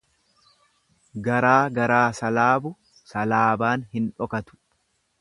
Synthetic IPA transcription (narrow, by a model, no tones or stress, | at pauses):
ɡɐɾaːɡɐɾaːsɐlaːbʊ | sɐlaːbaːnhɪnᶑɔkɐt̪ʊ̥